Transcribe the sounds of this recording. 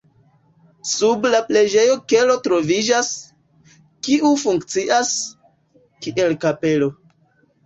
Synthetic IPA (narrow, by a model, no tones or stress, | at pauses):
sublaple̞d͡ʒe̞jo̞ke̞lo̞tɾo̞vid͡ʒas | kiʔufuŋkt͡siʔas | kiʔelkape̞lo̞